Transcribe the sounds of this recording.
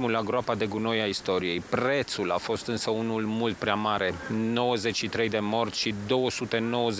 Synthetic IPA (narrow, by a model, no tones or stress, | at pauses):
ulaɡɾoapad̪e̞ɡuno̞jaist̪o̞ɾije̞jpɾe̞t̪sula̰fo̞st̪ɨnsəunulmult̪̚pɾeamaɾe̞no̞wəze̞t͡ʃʃit̪ɾe̞jd̪e̞mo̞rt̪ʲʃid̪o̞wəsut̪e̞no̞wəz